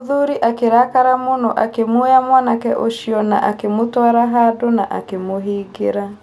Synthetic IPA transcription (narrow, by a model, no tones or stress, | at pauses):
ðuɾiʔakeɾakaɾamonoʔakemojamwanakɛʔoʃiɔna̰ʔakemotɔaɾaɦadonaʔa̰kemoɦiːɡeɾa